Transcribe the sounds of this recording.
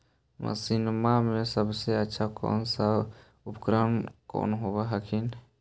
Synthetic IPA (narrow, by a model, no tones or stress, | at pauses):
mə̰sɪnmamẽsəbseətːʃʰakɔ̰ːnsa | upkɾəmko̰ːnɦobaɦəkʰin